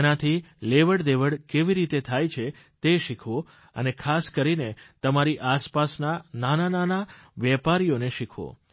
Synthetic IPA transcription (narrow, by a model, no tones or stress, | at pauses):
nat̪ʰileʋəɽd̪eʋəɽkeʋiɾit̪et̪ʰajt͡ʃʰe | t̪eʃikʰʋõ | ə̰nekʰaskəɾinet̪əmaɾiʔaspasnananananaʋjɛpaɾijoneʃikʰʋõ̰